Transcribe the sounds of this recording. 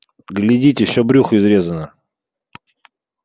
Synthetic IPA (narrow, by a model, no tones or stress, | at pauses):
ɡlʲɪdʲit̬ʲɪfsʲobɾʲuxɪzɾʲe̞zənə